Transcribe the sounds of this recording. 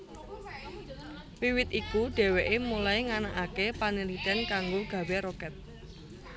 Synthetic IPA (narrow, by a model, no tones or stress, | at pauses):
wiwɪt̪ikuɖ̥e̤weʔemulaiŋanaʔakepanilit̪ɛnkaŋɡoɡ̥ä̤weɾokɛt̪̚